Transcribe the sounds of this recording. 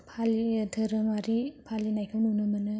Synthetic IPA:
pʰalidʰʱɯɾɯmaɾipʰalinajkʰɯwnunɯmɯnɯ

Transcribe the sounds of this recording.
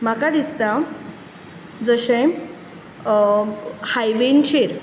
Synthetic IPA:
m̤akad̪ist̪a | d͡zəɕẽ | hajʋent͡ɕeɾ

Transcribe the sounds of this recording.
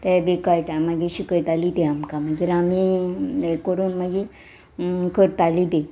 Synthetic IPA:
t̪ebekajʈamaɡiɕikəɾt̪alid̪eamkamaɡiɾamiekəɾuːnmaɡi | kəɾt̪alid̪e

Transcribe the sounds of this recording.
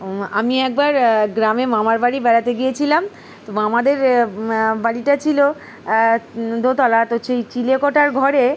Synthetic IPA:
amiɛk̚baɾɡɾamemamaɾbaɽibɛɾat̪eɡijet͡ɕʰilam | t̪oamad̪eɾ | baɽiʈat͡ɕʰilo | d̪ʱot̪ɔlat̪oʃejt͡ɕilekɔʈaɾɡʱɔɾe

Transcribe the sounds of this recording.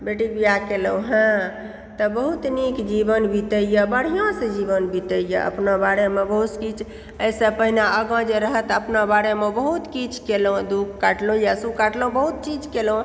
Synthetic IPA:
beʈikbijakeləwɦã | t̪əbəɦut̪nikd͡ʒibənbit̪əjjəbəɽ̤ijãsẽd͡ʒibənbit̪əjjə̰ʔə̰pnabaɽemebəɦut̪kit͡ʃʰ | əjsə̃pəɦinaəɡãd͡ʒeɾəɦət̪əpnabaɽemebəɦut̪kit͡ʃʰkelõd̪ukkːaʈlõjasukaʈlõbəɦut̪̚t͡ʃid͡ʒkelõ

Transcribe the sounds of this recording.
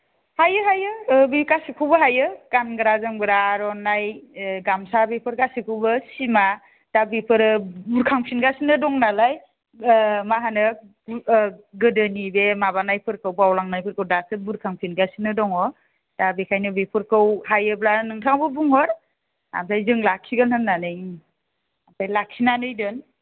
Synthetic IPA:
hajɯɦajɯbikasikʰubɯɦajɯkanɡɯɾazɯmɡɯɾaɾɔnajɡamsabipʰɯɾkasikʰɯwbɯsima | tabipʰɯɾɯbuɾkʰaŋpʰinɡasinɯdɔŋnalaj | maɦanɯ | ɡɯdɯnibemaβanajpʰɯɾkɯwbawlaŋnajpʰɯɾkɯwdasɯbuɾkʰaŋpʰinɡasinɯdɔŋɔ | tabekʰajnɯbepʰɯɾkɯwhajɯblanɯŋtʰaŋbɯbuŋhɔɾ | a̰msʰajzɯŋlakʰːiɡɯnhɯnːanɯj | atʰajlakʰːinanɯjdɯn

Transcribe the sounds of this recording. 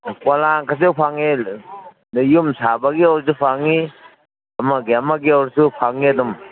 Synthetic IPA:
kalaŋkas̬ewpʰaŋe | djumsabaɡiɔwɾs̬upʰaŋi | ɐmaɡiɐmaɡiawɾsupʰaŋiɐdum

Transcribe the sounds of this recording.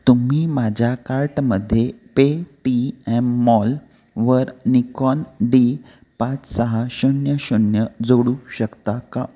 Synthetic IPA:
t̪um̤iːmad͡ʑʱjakaɾʈməd̪ʱːjepeʈiɛmːɔl | ʋəɾnikɔnɖi | pãt͡ssəɦaɕunjəɕunjəd͡zoɽuɕəkt̪aka

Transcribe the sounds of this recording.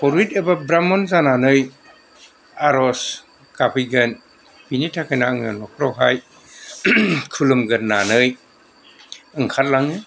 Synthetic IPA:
pɔɾitebabɾamɔnzananɯj | aɾɔs | kapʰiɡɐn | b̥initʰakʰajnaɯŋanɔkʰɾɔwɦaj | kʰulɯmɡɐɾnanɯj | ɯŋkʰat̚laŋɯ

